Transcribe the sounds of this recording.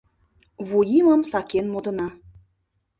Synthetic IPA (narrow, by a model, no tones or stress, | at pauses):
βujiməmsɑkenmod̪ə̆nɑ